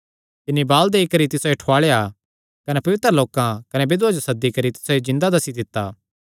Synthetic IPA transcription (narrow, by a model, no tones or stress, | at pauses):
t̪ɪnːibaːld̪eːikɐɾit̪ɪsoeʈʰoaːɭeja | kɐnepɐʋɪt̪ɾəloːkãkɐnebɪd̪ʊad͡ʒosɐd̪ːikɐɾit̪ɪ̥soed͡ʒɪ̃nd̪ad̪ɐsid̪ɪt̪ːaː